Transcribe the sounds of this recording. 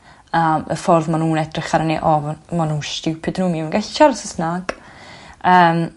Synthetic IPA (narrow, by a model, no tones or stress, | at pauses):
əːmə̰fɔrðmanuːnɛdrɪχaɾneʔɔvmanunʃtɪwpʰɪdnuːmiwnɡaɬi̥ʃaɾsəsnaɡ̥ | əːm